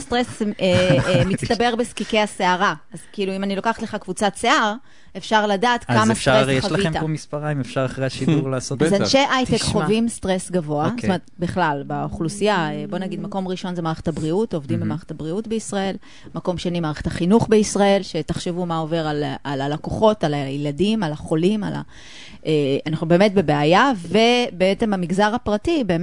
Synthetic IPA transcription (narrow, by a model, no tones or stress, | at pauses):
st̪ʁesemitst̪abe̞ʁbeskikejhaseaʁaazkiiːluimanilo̞kaχatleχakvut͡satt͡seaʁ | e̞fʃaʁladaːt̪kamasʁejeaʃlaviemtaomispaʁaimefʃaʁaχʁeaʃiduʁlaːsotzanʃejʔajtekχovimst̪ʁe̞sɡavo̞astomeet̪biχlalbeoχlusijaebo̞naɡid̪mako̞mʁiʃo̞nzemaːʁeχe̥tabʁiuto̞vdimbemaːʁeχetabʁiutbeisʁae̞l | mako̞mʃanimaːʁeχetaχinuχbe̞isʁae̞lʃe̞taχʃevumaove̞ʁalalalakoχo̞talajiladimalaχo̞lima̰la̰ | ʔeanaχnube̞ːme̞tbe̞beajave̞beet͡se̞mamiɡzaʁhapʁatibe̞ːm